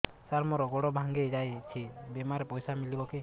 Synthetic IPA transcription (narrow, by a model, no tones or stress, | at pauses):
saɾmɔɾɔɡɔɽɔbʱaŋɡed͡ʒajt͡ʃʰibemaɾepɔjsamilibɔki